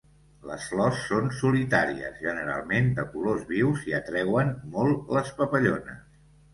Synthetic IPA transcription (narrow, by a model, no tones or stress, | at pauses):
lə̰sflɔsːonsulit̪aɾiə̰zʒənəɾa̰lˠmend̪əkulozβiwziət̪ɾɛwənmɔlˠləspəpəʎonə̰s